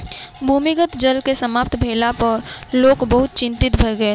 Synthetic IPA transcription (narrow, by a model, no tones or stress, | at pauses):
bʱuːmɪɡət̪d͡ʒəlkesəmaːpt̪ʰbʱeːlapɐɾloːkbɐɦʊt̪̚t͡ʃɪ̃nt̪ɪt̪bʱəɡəe